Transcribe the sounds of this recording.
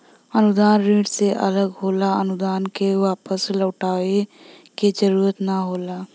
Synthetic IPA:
ənʊd̪aːnɾiːɖseʔə̰ləɡɦoːlaənʊd̪aːnkeʋaːpəsləːʈaːe | ked͡ʒəɾuːɾət̪naɦoːlaː

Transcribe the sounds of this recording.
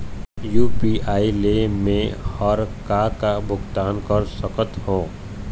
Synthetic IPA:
juːpiʔaːilemẽhɔɾkakabʱʊɡt̪aːnkəɾsəkət̪hõː

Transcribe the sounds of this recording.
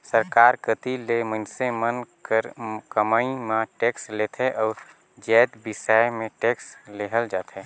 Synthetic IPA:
səɾkaːɾkət̪ilemə̃nsemənkəɾkəmaimãʈeːkslet̪ʰeʔɔːɾ | d͡ʒɛːt̪bɪsamẽʈeːksleɦəld͡ʒaːt̪ʰe

